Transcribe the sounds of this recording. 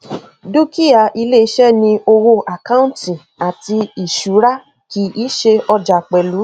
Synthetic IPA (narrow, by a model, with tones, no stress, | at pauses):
du˦ki˦a˨ʔi˧le˦i˧˦ʃɛ˦nĩ˧o˧wo˧ʔa˨kã˦ũ˦tĩ˨ | a˨ti˧i˨ʃu˨˦ɾa˦ | ki˨˧˦i˦ʃe˧ɔ˧d͡ʒa˨k͡pɛ˨lu˨˦